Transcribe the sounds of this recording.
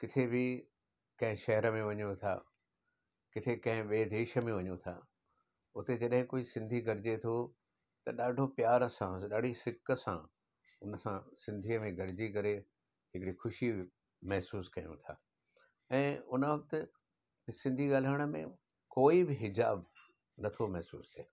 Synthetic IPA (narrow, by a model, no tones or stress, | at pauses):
kɪt̪ʰebʱɪ | kɐ̃ɦɪ̃ʃɐɦɛɾəmẽʋɐɲõt̪ʰa̰ː | kɪt̪ʰekɐ̃ɦɪ̃ʋeːd̪eːʃə̆mẽʋɐɲũt̪ʰa̰ː | ʊt̪ed͡ʑɐɗɦɪ̃koːisɪ̃nd̪ʱiɡɐɾɪd͡ʑet̪ʰo | t̪ɐɗaːɖʱopjaːɾəsãɗaːɖʱisɪkəsã̰ | ʊnəsãsɪ̃nd̪ʱiːəmẽɡɐɾɪd͡ʑikɐɾe | ɦɪkɽixʊʃi | mɐɦsuːskɐjṵ̃t̪ʰa̰ː | ɛ̃ːʊnəʋɐkt̪ɪ | sɪ̃nd̪ʱiɠaːl̤əɽ̃ə̆mḛ̃ | koːibɪɦɪd͡ʑaːb | nɐt̪ʰomɐɦsṵːst̪ʰeː